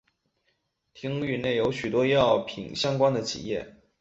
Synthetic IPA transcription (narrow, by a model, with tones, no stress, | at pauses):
t̪ʰi˥ŋy˥˧ne˥˩ɪjo˧˥ʊɕy˨˩t̪wɔ˥jɑ˥˩ʊpʰḭ˨˩ŋɕjɑ˥ŋkwa˥nd̪ə˨t͡ɕʰḭ˨˩jɛ˥˩